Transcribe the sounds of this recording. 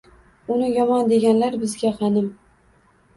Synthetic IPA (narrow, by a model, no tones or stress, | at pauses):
ʊnɪjɒmɒnd̪e̞ɡʲanlaɾbɪzɡʲaqʰɑnɪm